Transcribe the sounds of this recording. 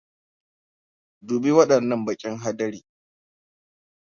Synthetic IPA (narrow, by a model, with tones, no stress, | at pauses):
duː˨bi˦wɐ˦ɗɐ˨nːɐ˦mbɐ˨kʲʼɪ˦ŋɦa˦dɐ˦ɾiː˨